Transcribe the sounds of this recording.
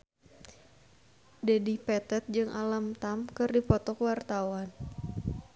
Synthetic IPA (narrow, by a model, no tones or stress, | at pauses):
dɛdipɛt̪ɛt̪̚d͡ʒɨŋʔalamt̪amkɨrdipɔt̪ɔkwart̪awan